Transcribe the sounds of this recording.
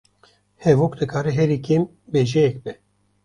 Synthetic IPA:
hɛvoːkd̪ɨkʰaːɾɛɦɛɾikʰem | beːʒɛjɛk̚bɛ

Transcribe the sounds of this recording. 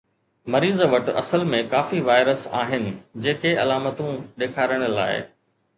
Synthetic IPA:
mɐɾiːzʋɐʈɐ̰səlmẽkaːfiʋaːɪɾəsa̰ːɦɪnɪ̆d͡ʑeːkeɐlaːmət̪ũɗeːkʰaːɾəɽ̃ə̆la̰ːɪ̰

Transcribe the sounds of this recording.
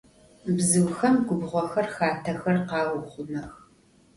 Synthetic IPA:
bzɨwxɐmɡʷʊbʁʷɔxɐrxaːtʰɐxɐrqɑːwʷʊχʷʊnɐx

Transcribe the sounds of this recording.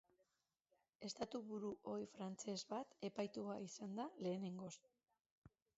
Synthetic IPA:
e̞st̪at̪uβuɾuʔo̞ifɾant͡se̞zβat̪e̞pajt̪uaisand̪ale̞ːne̞ŋɡo̞s

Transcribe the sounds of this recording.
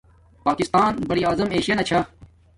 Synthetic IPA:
paːkɪst̪aːnbɐɽiaːzɐmeːʃijɐnɐt͡ɕʰa

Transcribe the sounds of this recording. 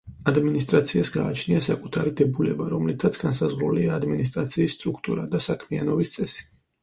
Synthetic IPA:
ad̪minist̪ʼɾat̪sʰiasɡaːt͡ʃʰniasakʼut̪ʰaɾid̪ɛbulɛbaɾɔmlit̪ʰat̪sʰɡ̥ansazʁɾuliaːd̪minis̬t̪ʼɾat̪sʰiːsːt̪ʼɾukʰt̪ʼuɾad̪asakʰmianɔbist̪sʼɛsi̥

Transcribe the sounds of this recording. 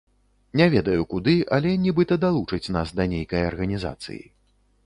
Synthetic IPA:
nʲɛvʲɛd̪ɐjukud̪ɨʔɐlʲɛnʲibɨt̪ɐd̪alˠut͡ʂɨt͡sʲn̪asd̪ɐnʲejkɐjɐrɣɐnʲiza̰t̪sɨ̰jḭ

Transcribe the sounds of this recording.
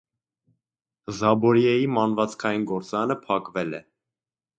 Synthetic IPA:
zɑbɔɾjɛjimɑnvɑt͡skʰɑjinɡɔɾt͡sɑnəpʰɑkvɛlɛ̰

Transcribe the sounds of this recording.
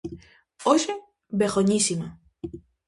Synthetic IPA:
oʃe | bexoɲisima

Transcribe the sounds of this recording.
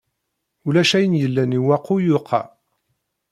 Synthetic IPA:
ulæʃæjənjəlːæniwæqːujʊqʰːɑ̰

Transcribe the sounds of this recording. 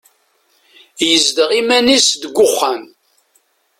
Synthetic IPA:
jəzd̪əʁimænisd̪əɡʷʊχːæn

